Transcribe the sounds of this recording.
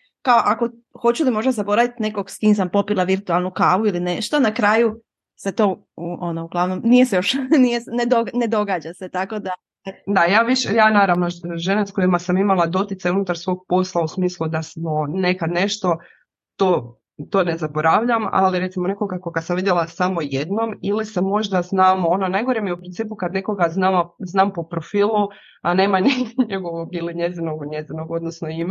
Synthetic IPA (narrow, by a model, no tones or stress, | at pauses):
kaoʔako̞ | xo̞t͡ɕulimo̞ʒd̪azabo̞ɾaʋit̪ne̞ko̞ɡskiːmsampo̞pilˠaʋiɾt̪ualˠnukaːʋuiline̞ʃt̪onakɾaːju | set̪o̞ːuʔonouɡlˠaʋno̞mnije̞sejo̞ʃnijesned̪one̞d̪o̞ɡaːd͡ʑaset̪ako̞d̪a | d̪ajaːʋiʃejaːnaːɾaʋnoʒenasko̞imasamimalˠad̪o̞t̪it̪sajunut̪aɾsʋo̞ɡ̚po̞slˠausmiːslˠud̪asmone̞kad̪ne̞ʃt̪o̞ | t̪oː | t̪oːne̞zabo̞ɾaʋʎama̰liɾet̪imo̞ne̞ko̞ɡakoɡasamʋid̪jelasamojed̪no̞milisemo̞ʒd̪aznaːmo̞nonajɡoɾemjeupɾint̪iːpukad̪ne̞ko̞ɡaznaːmaznaːmpo̞pɾo̞fiːlˠu | ane̞ːmaniɲeɡoʋoɡiliɲe̞zinoɡɲe̞zinoɡod̪nosnoim